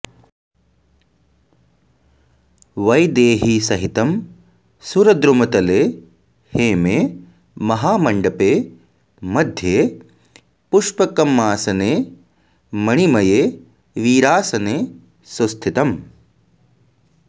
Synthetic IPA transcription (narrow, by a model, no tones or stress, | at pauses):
ʋɐjd̪eːɦiːsɐɦit̪ɐm | suɾɐd̪ɾumɐt̪ɐleː | heːmeː | mɐɦaːmɐɳɖɐpeː | mɐd̪ʱjeː | puʃpɐkɐmːaːsɐneː | mɐɳimɐjeː | ʋiːɾaːsɐneː | sust̪ʰit̪ɐm